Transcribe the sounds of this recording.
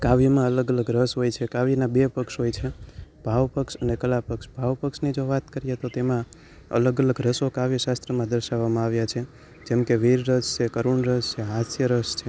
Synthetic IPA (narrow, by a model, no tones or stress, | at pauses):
kaʋimãələɡələɡɾəsɦojt͡ʃʰekaʋinabepəkʃɦojt͡ʃʰeb̥ʱaʋpəkʃənekəlapəkʃbʱaʋpəkʃnid͡ʒoʋat̪kəɾijet̪ot̪emã | ə̰ləɡələɡɾəsokaʋiʃast̪ɾəmãd̪əɾʃaʋːamãaʋjat͡ʃʰe | d͡ʒɛmkeʋiɾːəst͡ʃʰekəɾuɳɾəst͡ʃʰeɦasjəɾəʃt͡ʃʰe